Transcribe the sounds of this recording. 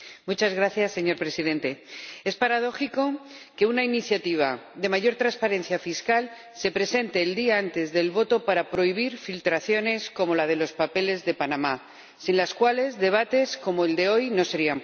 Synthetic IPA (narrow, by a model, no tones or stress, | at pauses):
mut͡ʃazɣɾaθjasːe̞ɲo̞ɾpɾe̞siðe̞nt̪e̞e̞spaɾað̞o̞xiko̞ke̞unainiθjat̪iβ̞aðe̞maʝo̞ɾt̪ɾaspaɾe̞n̟θjafiskal | se̞pɾe̞se̞nt̪e̞ːld̪iaant̪e̞zðe̞lβo̞t̪o̞paɾapɾo̞iβ̞iɾfilt̪ɾaθjo̞ne̞sko̞mo̞lað̞e̞lo̞spape̞le̞zðe̞panãma | sinlaskwale̞zðe̞β̞at̪e̞sko̞moeld̪e̞o̞jno̞se̞ɾiam